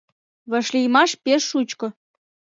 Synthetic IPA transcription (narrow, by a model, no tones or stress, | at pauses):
βə̆ʃlʲijmɑʃpeʃːut͡ɕkŏ